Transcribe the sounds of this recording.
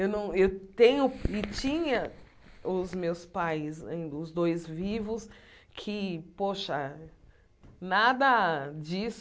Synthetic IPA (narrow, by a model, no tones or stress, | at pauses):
ewnɐ̃w̃ewt̪ẽɲʊɪt͡ʃĩɲɐ | ʊzmewspajzɐ̰ĩd̪ɐʊzd̪ojzvivʊs | kʰɪpoʃɐ | nad̪ɐd͡ʒis